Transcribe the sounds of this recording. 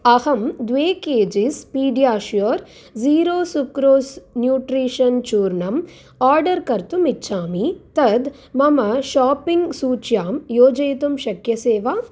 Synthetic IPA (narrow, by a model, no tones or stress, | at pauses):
ɐhɐmd̪ʋeːkeːd͡ʒispiːɖijaːʃjoɾ | ziːɾoːsukɾoːsnjuːʈɾiːʂɐnt͡ʃuːɾɳɐm | aːɾɖɐɾkɐɾt̪umitːʃʰaːmit̪ɐd̪ | mɐmɐʃaːpiŋɡsuːt͡ʃjaːmjoːd͡ʒɐjt̪umʃɐkjɐseːʋa